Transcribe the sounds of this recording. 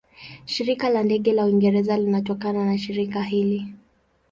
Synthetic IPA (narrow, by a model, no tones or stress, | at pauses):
ʃiɾikalandɛɠɛlauiŋɡɛɾɛzalinatɔkananaʃiɾikaɦili